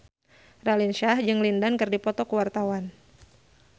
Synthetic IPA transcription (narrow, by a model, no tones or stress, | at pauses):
ralinʃahd͡ʒɨŋlindankɨrdipɔt̪ɔkəwart̪awan